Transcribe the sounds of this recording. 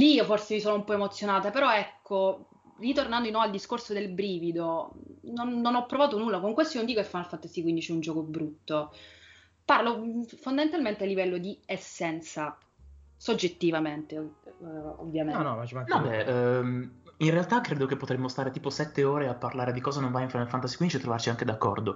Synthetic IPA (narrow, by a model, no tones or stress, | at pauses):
lioforsemisoːnoumpɔemot̪sːjonaːt̪apeɾɔɛkʰːo | rit̪ornand̪inɔald̪iskorsod̪elbɾiːvid̪ononːonɔpːɾovaːt̪onulːakoŋkwest̪onond̪ikokefanːalfant̪ːasikwind̪it͡ʃɛund͡ʒɔːkobɾut̪ːo | parlofond̪amẽnt̪alment̪ealːivɛlːod̪iesːɛnt̪sa | sod͡ʒːet̪ːivament̪e | o̰vːjamenɔat͡ʃnɔ̃bɛ | inrealt̪akɾeːd̪okepːot̪ɾemːost̪aːɾet̪iːposɛt̪ːeoːɾeapːarlaːɾed̪ikɔːzanõɱvajiɱfɾanalfant̪asikwind̪it͡ʃiet̪ːɾovart͡ʃiaŋked̪akːɔ̰rd̪o